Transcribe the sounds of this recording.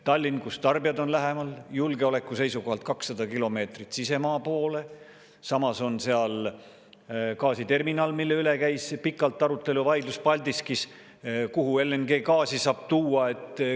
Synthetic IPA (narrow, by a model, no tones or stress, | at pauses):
t̪ɑlʲːinkust̪ɑrbijɑd̪o̞nlæɦe̞mɑljulɡ̥eo̞le̞kːˑuse̞jsuko̞hɑlt̪̚kɑksːɑd̪ɑkilo̞me̞ːt̪rit̪sise̞mɑːpo̞ːle̞ | sɑmɑso̞nseɑl | kɑːsit̪e̞rminɑlmilːe̞yle̞kæjspikːˑɑlt̪ːˑɑɾut̪ːˑe̞luvɑjd̪luspɑlʲd̪iskis | kuɦue̞lenɡe̞ːkɑːsisɑːb̥t̪uːɑe̞t̪